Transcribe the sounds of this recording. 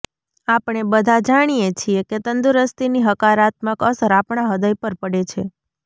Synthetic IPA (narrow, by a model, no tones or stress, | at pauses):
apɳ̃ebəd̪ʱad͡ʒaɽ̃ijet͡ʃʰieket̪ənd̪uɾəst̪iniɦəkaɾat̪məkəsɾapɳaɦəd̪əjpəɾpəɽet͡ʃʰe